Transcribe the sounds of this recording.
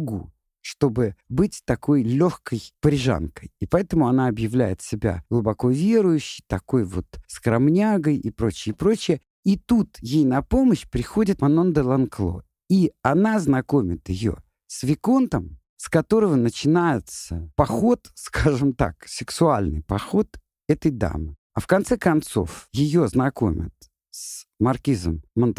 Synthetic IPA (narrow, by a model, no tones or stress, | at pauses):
ɡṵ | ʂt̪o̞bɨbɨtʲt̪ɐkʰo̞jlʲoxkəjpəɾʲɪʐa̰nkəjipɐɛt̪əmʊɐnaɐbjɪvlʲæ̰jɪ̰t̪sʲɪbʲa̰ɡlˠʊbɐko̞vʲe̞ɾʊjʉɕːɪjt̪ɐko̞jvo̞̰t̪skəɾɐmnʲaɡəjipɾo̞t͡ɕɪjəpɾo̞t͡ɕɪjə | it̪ut̪jejnɐpo̞məɕpɾʲɪxo̞dʲɪt̪mɐnond̪əlˠɐnklˠo̞̰ | iɐnaznɐko̞mʲɪt̪ɪjo̞̰ | svʲɪko̞nt̪əm | skɐt̪o̞ɾəvənət͡ɕɪnajɪt̪səpɐxo̞t̪skaʐɨmt̪a̰ksʲɪksʊalʲnɨ̰jpɐxo̞t̪ | ɛt̪əjd̪a̰mɨ | ɐfkɐnt̪sɛkɐnt̪so̞̰fjɪjoznɐko̞̰mʲɪ̰t̪̚ | smɐrkʲizə̰mːənt̪